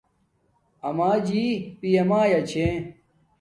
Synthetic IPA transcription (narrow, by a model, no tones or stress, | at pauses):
ɐmaːd͡ʑiːpiɐmaːjɐt͡ɕʰẽ